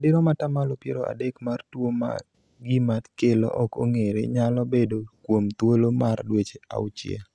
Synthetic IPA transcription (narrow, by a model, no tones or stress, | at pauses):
dɪɾɔmatamalopjeɾoa̰dekmartwoma̰ | ɡɪmat̪kelɔ̰ʔɔko̰ŋeɾḛɲalɔbedokwomt̪wolomardwet͡ʃea̰ʊt͡ʃjḛ